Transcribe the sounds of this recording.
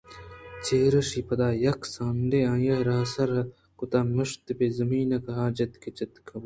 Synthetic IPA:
t͡ʃeːɾɐʃiːpɐd̪aːjɐksaːnd̪eãːjɐɦɾɐsɐɾɐ | kʊt̪aːmɐʂt̪pezɐmiːnɐkɐɦaːd͡ʒɐt̪ket͡ʃɐt̪kʰɐb

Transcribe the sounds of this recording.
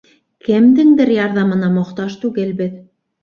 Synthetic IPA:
kɘ̆md̪ɘŋd̪ɘɾjɑɾðɑmɤ̆nɑmŏqt̪ɑʃt̪ʉɡɘlbɘð

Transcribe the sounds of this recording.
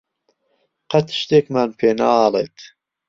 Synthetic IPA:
qɐt̪ʃt̪eːkmaːnpʰeːnaaːleːt̪ʰ

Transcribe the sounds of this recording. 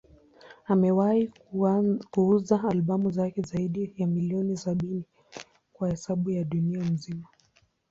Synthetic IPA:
amɛwai | kuuzaːlɓamuzakɛzaiɗijamiliɔnisaɓini | kwahɛsaɓujaɗuniam̩zima

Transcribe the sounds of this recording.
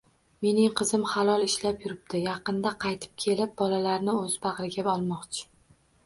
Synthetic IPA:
me̞nɪŋqʰɨzɪmχalˠɒlˠɪʃlapjʊɾɪb̚d̪̥ɪjɑqɨnd̪aqʰɑjt̪ʰɪ̥p̚kʲʰe̞lɪp̚bɒlalaɾnɪɵzbɑʁɾɪɡʲabɒlˠmɒqt͡ʃʰɪ̥

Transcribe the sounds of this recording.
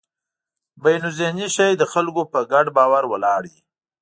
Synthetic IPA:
bajnʊzeniʃajd̪əxalkopəɡaɖbɑwaɾwəlɑɽi

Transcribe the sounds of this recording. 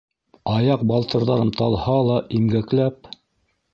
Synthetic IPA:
ɑjɑq̚bɑlˠt̪ɤ̆ɾðɑɾɤmt̪ɑlˠhɑlˠɑʔimɡæklæp̚

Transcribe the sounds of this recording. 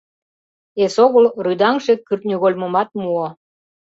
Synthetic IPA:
esoɣolryd̪ɑŋʒekyrt̪̚nʲyɣolʲmomɑt̪̚muo

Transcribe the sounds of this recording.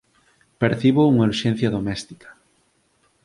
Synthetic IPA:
peɾθiβouŋaɾʃen̟θjaðomest̪i̥kḁ

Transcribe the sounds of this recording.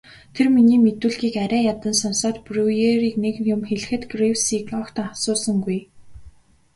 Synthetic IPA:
t̪ʰerminiːmet̪uːɮɣiːkæɾæːjat̪ə̆nsɔnsɔːt̪prʲujeɾiːknek̪jʊmxeɮɘ̆xɘ̆t̪ɡrewsiːkɔkt̪asʊːsə̆ŋɡuj

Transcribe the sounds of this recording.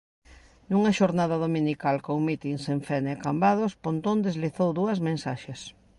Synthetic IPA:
nuŋɐʃoɾnaðɐðominikalkoŋmit̪iŋseɱfɛneakambaðospõnt̪õnd̪ezliθowðuɐzmẽnsaʃes

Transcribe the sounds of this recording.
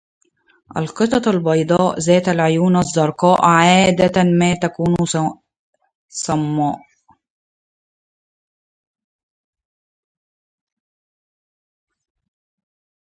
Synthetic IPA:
ʔa̰lqɨt̪ˤɑalbɑjd̪ˤɑːʔzæːt̪ælʕʊjuːnʔazˤːɑɾˤqɑːʔʕaːd̪æt̪mæːt̪ækuːn | sˤɑmːɑːʔ

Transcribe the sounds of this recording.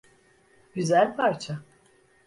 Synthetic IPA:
ɟyzælʲpʰaɾt͡ʃʰa

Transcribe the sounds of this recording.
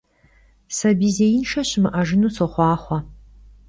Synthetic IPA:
sɐbiːzejɪnʃɐɕɪmɨʔɐʒɨnuːsɔχʷɑːχʷɐ

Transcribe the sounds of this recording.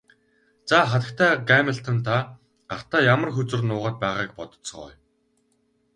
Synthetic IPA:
t͡saːχat̪ə̆k̚t̪ʰæːɡameɬt̪ʰɔnt̪ʰa | ar̥t̪aːjamə̆rxɵt͡sɘ̆rnʊːʁaːt̪̚pæːʁaːk̚pɔt̪ɞ̥̆t͡s̆χɔ̰j

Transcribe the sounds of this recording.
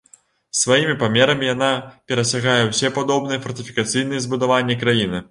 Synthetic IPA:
svajimʲipamʲɛɾɐmʲijan̪apʲɛɾɐsʲaɣajɛwsʲɛpad̪ɔbnɨjɛfɐrt̪ɨfʲikat̪sɨjn̪ɨjɛzbud̪avanʲːɛkɾajinɨ

